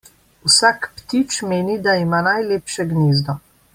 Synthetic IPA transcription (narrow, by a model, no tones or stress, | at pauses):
usaːkpt̪it͡ʃmeːnid̪aimaːnajleːpʃɛɡniːzd̪ɔ